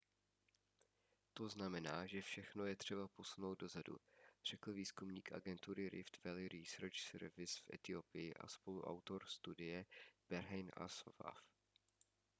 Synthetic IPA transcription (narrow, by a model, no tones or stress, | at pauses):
t̪o̞znamɛnaːʒɛfʃɛxno̞jɛt̪r̝̥ɛbapo̞suno̞wd̪̚do̞zadṵr̝̥ɛkl̩viːskumɲiːkʔa̰ɡɛnt̪uɾɪɾʔɪ̰ft̪vɛlɪɾisɛɾt͡ʃsɛ̰ɾvɪsfʔɛ̰t̪ɪo̞pɪjɪʔa̰spo̞luʔa̰wt̪o̞ɾst̪udɪjɛb̥ɛɾɦɛjna̰sva̰f